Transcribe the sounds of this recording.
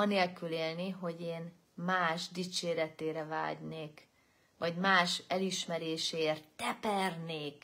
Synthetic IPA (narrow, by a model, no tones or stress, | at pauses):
ɒneːlkyleːlniɦo̞ɟeːn | maːʒd̪it͡ʃeːɾɛt̪eːɾɛva̰ːɟneːk | ʋɒɟmaːʃɛliʃmɛɾeːʃeːrt̪ːɛpɛrneːk